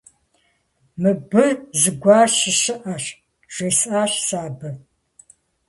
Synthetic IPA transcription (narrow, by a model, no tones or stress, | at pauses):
mɨbɨzɨɡʷɑːrɕɪɕɨʔɐɕ | ʒ̥ʷeːsaːɕsaːbɨ